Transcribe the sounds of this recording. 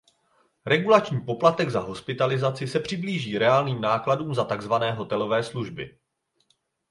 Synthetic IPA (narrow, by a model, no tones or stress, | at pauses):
ɾɛɡulat͡ʃɲiːpo̞plat̪ɛɡzaɦo̞spɪt̪alɪzat͡sɪsɛpr̥ɪbliːʒiːɾɛaːlniːmnaːkladuːmzat̪aɡzvanɛːɦo̞t̪ɛlo̞vɛːsluʒbɪ̰